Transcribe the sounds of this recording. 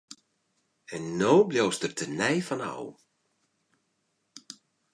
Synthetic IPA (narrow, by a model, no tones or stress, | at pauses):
ɛnːoːbljoːstərtʰənɛjfɔnɔ̰w